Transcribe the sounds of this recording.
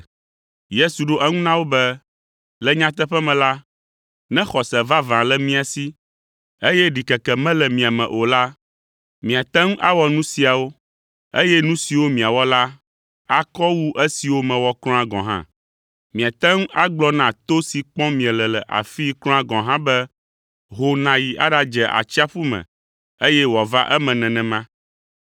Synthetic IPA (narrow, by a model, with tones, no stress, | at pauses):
je˦su˨ɖo˦ʔɛ˦ŋũ˦nã˦wo˦bɛ˦ | lɛ˦ɲã˦t̪ɛ˦ɸɛ˦mɛ̃˨la˦ | nɛ̃˦xɔ˨sɛ˨va˦vã˨lɛ˦mĩ˦a˨si˦ | e˦jɛ˦ɖi˨kɛ˨kɛ˨mɛ̃˦lɛ˨mĩ˨a˨mɛ̰̃˨ʔo˨la˦ | mĩ˨a˨t̪ɛ̃˦ŋ˦ʔa˦wɔ˦nũ˦si˦a˨wo˦ | ḛ˦jɛ˦nũ˦si˨wo˦mĩ˨a˨wɔ˦la˦ | a˨kɔ˦wu˦ʔe˦si˨wo˦mɛ̃˨wɔ˦klɔ̃˦a˦ɡɔ̃˨ɦã̰˦ | mĩ˨a˨t̪ɛ˦ŋ˦a˦ɡ͡blɔ˦nã˨t̪o˦si˨k͡pɔ̃˦mĩ˨ɛ̃˨lɛ˨lɛ˨ʔa̰˨fi˦klɔ̃˦a˦ɡɔ̃˨ɦã˦bɛ˦ | ɦo˦nã˨ji˨ʔa̰˦ɖa˦d͡ʒɛ˨ʔa̰˨t͡ʃi˦a˦ɸu˦mɛ̰̃˨ | e˦jɛ˦wa˨va̰˦ʔɛ˦mɛ̃˨nɛ̃˨nɛ̃˨mã˦